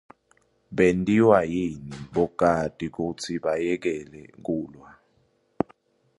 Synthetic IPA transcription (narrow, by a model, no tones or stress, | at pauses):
ɓentʼiwajiniɓɔɡ̥ʱad̥ʱʼik̬ut͡sʰiɓajɛk̬ɛlɛ̰k̬ʼuːlwa